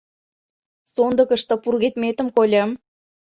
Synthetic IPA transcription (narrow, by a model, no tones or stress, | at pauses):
sond̪ɤ̆kə̆ʃt̪ɤ̆purɣet̪met̪ə̆mkolʲəm